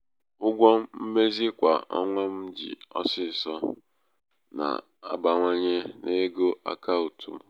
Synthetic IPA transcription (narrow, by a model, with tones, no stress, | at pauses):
ʊ˦ɡʷɔ˦m̩˦m̩˦me˦zi˦kʷa̰˨ɔ̰˦ŋʷɔ˦m̩˦d͡ʒḭ˨ɔ̰˦sɪ˦˨sɔ˦ | na̰˨ | a˦ba˨ŋʷa˦ɲe˦nʔe˦ɡo˦ʔa̰˦ka˦u˨tʰṵ˨m̩˦